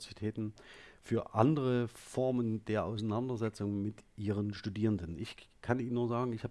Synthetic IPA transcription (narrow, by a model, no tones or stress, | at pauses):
zitʰɛːtn̩fyːɐʔandəʁəfɔɐməndeːɐʔa̰ʊsanandɐzɛt͡sʊŋmɪtʔiːʁ̞ənʃtudiːʁəndənʔɪçkʰaniːnːuːɐzaːɡŋ̩ɪçhaːb